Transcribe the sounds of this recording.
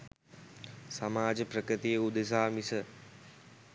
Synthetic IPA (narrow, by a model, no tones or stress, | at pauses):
sɐmaːd͡ʒəpɾəkɾɨt̪ijəud̪es̬aːmisə